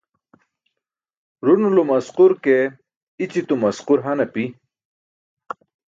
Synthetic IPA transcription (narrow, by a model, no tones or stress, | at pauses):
ɾunulomɐsquɾke | it͡ɕit̪umɐsquɾɦanapi